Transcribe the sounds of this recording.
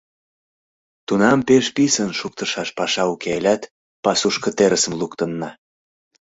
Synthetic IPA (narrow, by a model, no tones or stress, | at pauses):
t̪unɑmpeʃpisənʃuk̚t̪əʃɑʃpɑʃɑukeelʲæt̪ | pɑsuʃkə̆t̪eɾəsə̆mlukt̪ənːɑ